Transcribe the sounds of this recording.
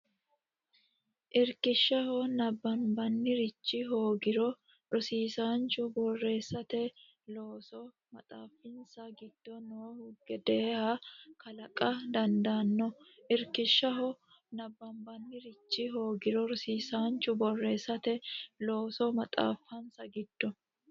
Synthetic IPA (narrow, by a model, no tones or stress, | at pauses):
ʔɪɾkɪʃːɐhɔnɐbːɐmbɐnːɪɾɪt͡ʃːɪɦo̞ːɡɪɾɔ | ɾʊsiːsaːnt͡ʃʊbɔrːe̞ːsːɐt̪ɛ | loːsɔ | mɐt̪ʼaːfːɪnsɐɡɪd̪̥ːɔnoːhʊɡɛd̪eːhakɐlɐkʼɐd̪ɐnd̪aːnːɔʔɪɾkɪʃːɐɦɔ | nɐbːɐmbɐnːɪɾɪt͡ʃːɪɦo̞ːɡɪɾɔɾʊsiːsaːnt͡ʃʊbɔrːe̞ːsːɐt̪ɛlo̞ːsɔmɐt̪ʼa̰ːfːɐnsɐɡɪd̪̥ːɔ